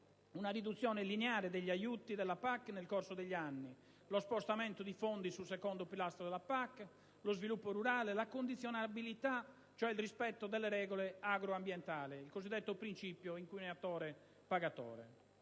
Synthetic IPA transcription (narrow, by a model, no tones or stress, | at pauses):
unarid̪ut̪sːjɔːnɛlinɛaːɾɛd̪eʎːiajut̪id̪ɛlːapakːnɛlkorsod̪eʎːianːi | lɔspost̪amɛnt̪od̪ifond̪isulsɛkɔnd̪opilast̪ɾod̪ðɛlapakː | lozvilupːoruɾaːlelakond̪it̪sːjɔnabilit̪a | t͡ʃoɛilrispɛt̪ːod̪ɛlːɛɾɛːɣɔlɛaɡɾoambjɛnt̪aːlɛilkozid̪ːɛt̪ːopɾint͡ʃipjoiŋkujnɛat̪ɔːɾɛ | paɣat̪ɔ̰ːɾɛ̰